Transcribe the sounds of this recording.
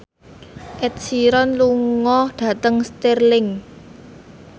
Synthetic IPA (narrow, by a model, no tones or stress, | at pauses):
ʔɛt̪̚siɾɔnluŋŋɔhɖ̥a̤t̪əŋst̪ɛrlɪŋ